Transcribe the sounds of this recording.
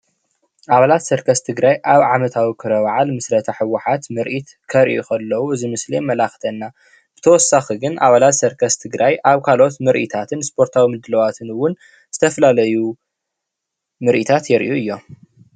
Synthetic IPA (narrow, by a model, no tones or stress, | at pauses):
ʔaβalat̪sɨɾkʰɐst̪ʰɨɡɾajʔaβʕamɐt̪ʰawikʰɨɾɐwʕalmɨsɾɐt̪ʰɐħɨwːʊħat̪mɨɾʔit̪ | kʰɐɾʔukʰɐlːɐwuɨzimɨslemɐlaxt̪ʰɐnːa | b̥ɨ̥t̪ʰɐwɔsːaxiɡɨnʔa̰βalat̪sɐɾkʰɐst̪ʰɨɡɾajʔaβkʰalo̞t̪mɨɾʔḭt̪ʰat̪ʰɨnspʰo̞ɾt̪ʰawimɨd̪ɨlɐwat̪ʰɨnɨwːʊn | z̥ɨt̪ʰɐfɐlalɐju | mɨɾʔit̪ʰat̪jɛɾʔuɨjːo̞